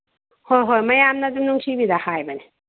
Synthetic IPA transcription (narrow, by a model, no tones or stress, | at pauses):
hojɦojmɐjamnadumnuŋt͡ʃʰibid̪ahajbane